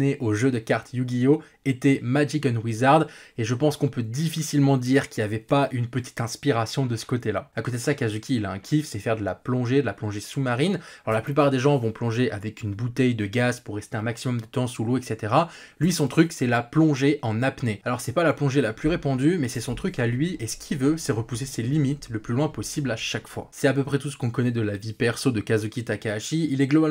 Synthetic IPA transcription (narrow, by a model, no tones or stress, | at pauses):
neʔoʒød̪əkaʁt̪juɡʲijo | et̪ɛmad͡ʒikɔnwizaʁd̪eʒəpɑ̃skɔ̃pød̪ifisilmɑ̃d̪iʁkʲijavɛpaʔynpət̪i̥t̪ɛ̃spiʁasjɔ̃d̪əsə̥kot̪elaakot̪ed̪əsakazukʲʰiːlaɛ̃kʲʰifsɛfɛʁd̪əla̰plɔ̃ʒed̪əlaplɔ̃ʒesumaʁinalɔʁlaplypaʁd̪eʒɑ̃vɔ̃plɔ̃ʒeʔavɛkynbut̪ɛjd̪əɡazpuʁːɛst̪eɛ̃maksimɔmd̪ət̪ɑ̃suloɛkset̪eʁalɥisɔ̃t̪χyksɛlaplɔ̃ʒeʔɑ̃napnealɔʁsɛpalaplɔ̃ʒelaplyʁepɑ̃d̪ymɛsɛsɔ̃t̪χykalɥiesə̥kʲʰivøsɛʁəpuseselimit̪ləplylwɛ̃pɔsiblaʃakfwa̰sɛt̪ap̬øpχɛt̪us̬ə̥kɔ̃kɔnɛd̪əlavipɛʁsod̪əkazukʲit̪akaːʃiilɛɡlɔba